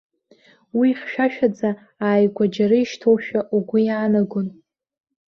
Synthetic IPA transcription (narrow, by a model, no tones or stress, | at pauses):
wiχʲʃᶣaʃᶣad͡za | aːjɡʷad͡ʒaɾɨiʃtʰowʃᶣaʔuɡʷʊjaːnaɡʷʊn